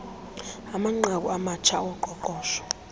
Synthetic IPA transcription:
amaŋ͡ǃak̬ʼuamat͡ʃʰawɔǃɔǃʼɔːʃɔ̥

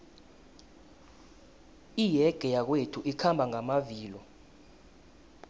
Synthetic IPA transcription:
ijɛɡ̥ʱɛjak̬wetʰuʔikʰambʱaŋamaviːlɔ

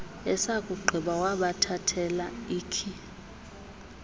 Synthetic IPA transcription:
ɛsakʼuɡ͡ǃʱiɓawaɓatʰatʰɛlaiːkʰi

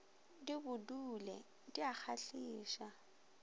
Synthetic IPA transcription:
dibʊdulɛ̰ | diak͡xʰaɬiːʃa

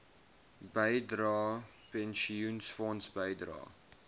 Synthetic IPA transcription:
bəjdɾɑː | pɛnʃiunsfɑːnsbəjdɾɑ̰ː

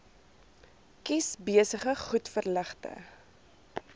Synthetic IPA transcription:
kisbiəsəχəχutfərləχtə̰

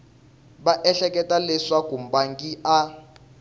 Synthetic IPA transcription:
ɓaʔɛɬɛkʼɛtʼalɛʂakum̩baŋkiʔa

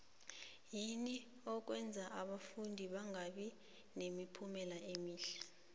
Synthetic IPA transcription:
jini | ɔk̬wɛnd͡zʱaʔaɓafundʱiɓaŋɡʱaɓi | nemipʰumɛlaʔemiːɬɛ̥

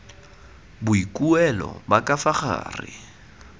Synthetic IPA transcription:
bʊikʼuɛlɔ̰bakʼafaχa̰ːrɪ

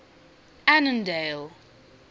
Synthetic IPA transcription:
anə̃ndeɪl

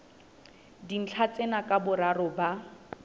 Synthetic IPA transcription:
din̩t͡ɬʰat͡senakʼabʊɾarʊba

